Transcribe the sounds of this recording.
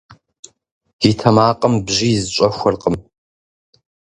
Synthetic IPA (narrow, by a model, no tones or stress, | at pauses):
jiɪtʰɐmaːqʼəmbʑizɨɕʷʼɐxʷʊrqʼəm